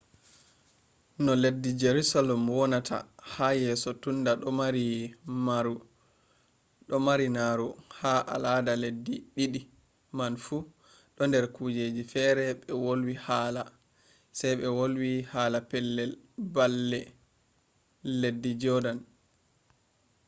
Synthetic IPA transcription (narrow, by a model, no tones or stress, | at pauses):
nɔledːid͡ʒeɾusalɛmwɔnatʰa̰hajɛːsɔtundaɗɔmaɾimaɾu | ɗɔmaɾinaɾuhaʔa̰ladaledːiɗiɗi | manfu | ɗɔndɛɾkuːd͡ʒeːd͡ʒifɛːɾɛɓɛwolwihaːla | sɛjɓɛwolwihaːlapɛlːɛlbalːɛ | edːid͡ʒɔdan